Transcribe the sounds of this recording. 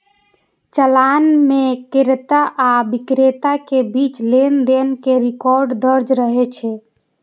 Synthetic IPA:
t͡ʃəlanmekiɾt̪aʔabikɾet̪akebit͡ʃlend̪enkeɾikɔɾɖd̪əɾd͡ʒɾəɦɛt͡ʃʰɛ

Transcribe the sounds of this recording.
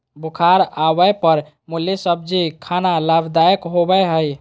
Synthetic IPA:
bukʰaɾaβəjpəɾ | muljesəb̚d͡ʒikʰanalabʱd̪ajkɦobəɦəj

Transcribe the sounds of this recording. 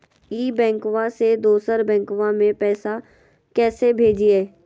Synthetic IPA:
iːbɛ̃ːŋkʋãsed̪oːsəɾbɛ̃ːŋkʋamẽpɛːsa | kɛːsebʱeːd͡ʒiɛː

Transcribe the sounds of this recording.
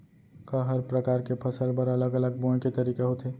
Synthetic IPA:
kəɦəɾpɾəkaɾkepʰəsəlpəɾələɡələɡ̚bõket̪əɾiːkaɦot̪e

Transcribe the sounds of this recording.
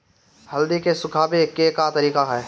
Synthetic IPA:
hɐld̪ikesʊkʰaːbekeːkat̪ɐɾiːkaɦɛː

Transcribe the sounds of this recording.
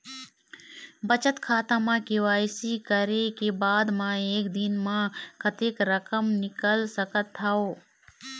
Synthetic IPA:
bət͡ʃət̪kʰaːt̪ãmãkiʋaːɪsikəɾekebaːd̪mãeːkd̪ɪnmãkət̪eːkɾəkəmnɪkəlsəkət̪ʰːaoː

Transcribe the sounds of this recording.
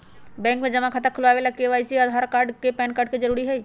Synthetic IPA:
bɛ̃ːŋkmẽd͡ʒɐmãkʰat̪əkʰʊlʋaːʋelakeʋaːɪsiaːd̪ʱaːɾkaːɾɖkepɛːnkaːɾɖ̚ked͡ʒəɾuːɾiɦɛi

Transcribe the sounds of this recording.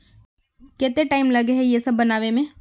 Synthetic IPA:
kɛːt̪eʈaːɪmlɐɡeɦɛjesɐbːɐnaːʋemẽ

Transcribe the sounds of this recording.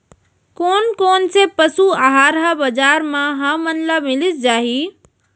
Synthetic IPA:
koːnkoːnsepəsuaɦaːɾɦabəd͡ʒaːɾmãɦə̃mənləmɪlɪsd͡ʒaːɦi

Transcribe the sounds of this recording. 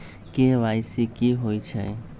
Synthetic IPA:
keʋaːjsikiɦoːit͡ʃʰɛ̰

